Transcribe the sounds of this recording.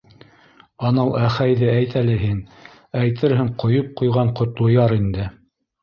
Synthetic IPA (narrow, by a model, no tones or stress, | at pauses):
ɑnɤlˠʔæχæjðɘæjt̪ælɘɦin | æjt̪ɘɾɦɘɴqŏjɤp̚qŏjʁɑɴqŏt̪lˠŏjɑɾind̪ɘ